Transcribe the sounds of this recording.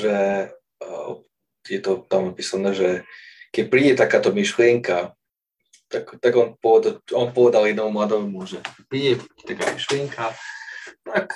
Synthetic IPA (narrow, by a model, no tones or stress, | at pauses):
ʒɛ | jɛt̪ɔt̪amnapisanɛʒɛkɛc̚pɾiːɟɛt̪akaːt̪ɔmiʃlɪɛŋka | t̪akt̪aɡɔnpɔʋɛd̪aɔnpɔʋɛd̪aljɛd̪nɔmumlad̪ɔmumʊɔʒɛpɾiːɟɛ̥t̪aka̰ːmiʃlɪɛŋkʰa | ak